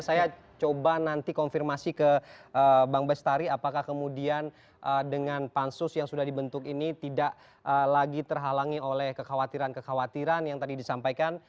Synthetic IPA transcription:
saja | t͡ʃobanant̪ikɔnfirmasikəəbaŋbɛst̪aɾiapakahkəmudian | ʔədəŋanpansʊsjaŋsudahdibənt̪ʊkinit̪idaʔ | ʔəlaɡit̪ərɦalaŋiolɛhkəxawat̪iɾankəxawat̪iɾanjaŋt̪adidisampajkan

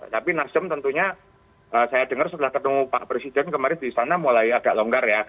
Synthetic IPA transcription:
t̪apinasəmt̪ənt̪uɲa | ʔəsajadəŋərsət̪əlahkət̪əmupa̰ʔpɾesidɛnkəmaɾɪndisanamulaiaɡaʔloŋɡarja

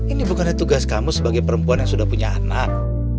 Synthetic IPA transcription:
inibukanɲat̪uɡaskamusəbaɡajpəɾəmpuanjaŋsudahpuɲaːnak̚

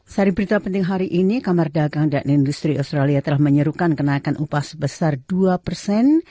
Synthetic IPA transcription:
saɾɪiŋbəɾit̪apənt̪ɪŋɦaɾiʔinikamardaɡaŋdanindust̪ɾiast̪ɾaliat̪əlahməɲəɾukankənaikanʔupasəbəsarduapərsɛn

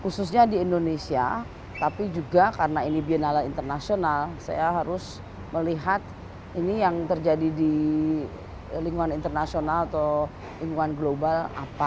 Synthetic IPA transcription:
kusʊs̬ɲadiːndonesia̰ | t̪apid͡ʒuɡakaɾənainibiənalalḭnt̪ərnasionalsa̰jaɦaɾʊs | məliɦat̪ | inijaŋt̪ərd͡ʒadidi | liŋɡuanint̪ərnasionalat̪o | liŋuanɡlobala̰pa

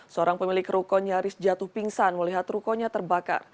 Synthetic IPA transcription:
səoɾaŋpəmilɪkɾukɔɲaɾɪsd͡ʒat̪ʊhpiŋsanməliɦat̪ɾukɔɲat̪ərbaka̰r

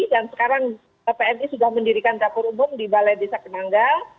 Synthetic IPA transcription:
dansə̥kaɾaŋ | əpeɛmisudahməndiɾikant͡ʃapʊɾumʊrdibalajdesakənaŋɡa

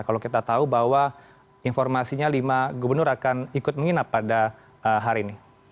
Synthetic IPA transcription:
kalokit̪at̪aubawa | infɔrmasiɲalimaɡubərnʊɾakanikʊt̪̚məŋinapːada | əɦaɾiːni

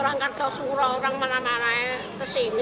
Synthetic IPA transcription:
ɾaŋkart̪ʰɔsuɾɔuɾaŋmanamaɾaɛ | kəsen

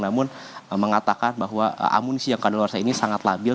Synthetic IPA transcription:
namʊn | məŋat̪akanbaɦwaə̰ʔa̰munisijaŋkadalwarsainisaŋat̪labɪl

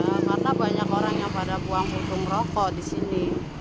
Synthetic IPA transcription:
amarnabaɲakoɾaŋjaŋpadabuaŋput̪ʊŋrɔkɔdisini

